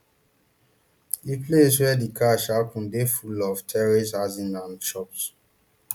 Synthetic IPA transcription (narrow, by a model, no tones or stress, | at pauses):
epleswɛdikʰaʃakʰũndefulɔvtʰɛɹisazĩnãnʃɔps